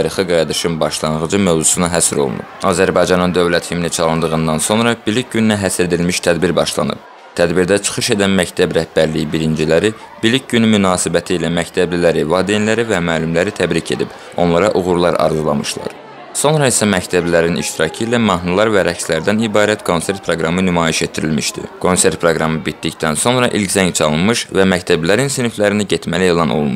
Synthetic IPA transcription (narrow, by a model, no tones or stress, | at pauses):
ɑɾixɯɡɑjd̪ɯʃɯnbɑʃlˠɑnʁɯd͡ʒɯmø̞vzusunɑɦæsɾo̞̰lˠṵnṵpɑzæɾbɑjd͡ʒɑnɯnd̪ø̞vlæt̪himnit͡ʃʰɑlˠɯnd̪ɯɣɯnd̪ɑnso̞nɾɑbilic̚ɟynynæɦæsɾed̪ilmiʃt̪ʰæd̪biɾbɑʃlˠɑ̰nɯ̰b̥̚ | t̪ʰæd̪biɾd̪æt͡ʃʰɯ̥χɯʃe̞d̪ænmæct̪ʰæbɾæhbæɾlijibiɾind͡ʒilæɾi | b̥ilic̚ɟynymynɑːsibæt̪ʰiːlæmæct̪ʰæblilæɾivɑːd̪enlæɾivæmæːlymlæɾit̪ʰæbɾicʰe̞̰d̪ḭb̥ | o̞nlˠɑɾɑʔuɣuɾlˠɑɾɑ̰ɾzulˠɑ̰mɯ̰ʃlˠɑ̰ɾ | so̞nɾɑisæmæct̪ʰæblilæɾinʔḭʃt̪iɾɑcʰɯilæmɑɦnulˠɑɾvæɾæcslæɾd̪ænibɑːɾæt̪kʰo̞nse̞ɾt̪̚pʰɾoɡɾɑmɯnymɑːjiʃe̞t̪ʰːiɾilmiʃd̪ḭkʰo̞nse̞ɾt̪̚pʰɾoɡɾɑmɯbit̪ːict̪ænso̞nɾɑʔilczæŋt͡ʃʰɑlˠɯnmɯʃvæmæct̪ʰæbilæɾinsinflæɾiniɟet̪mælielˠɑnʔo̞̰lˠmu